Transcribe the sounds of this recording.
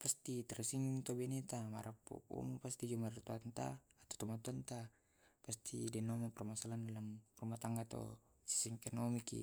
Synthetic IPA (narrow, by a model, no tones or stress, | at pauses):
past̪it̪ɛrsiŋt̪obenet̪amaɾapːo̰ʔṵmupast̪id͡ʒumart̪uant̪a̰ːt̪o̥t̪omat̪uant̪a | past̪ʰidɛnomapɛrmasalandalamrumat̪aŋɡat̪o̰ | si̥siŋkɛnomikḭ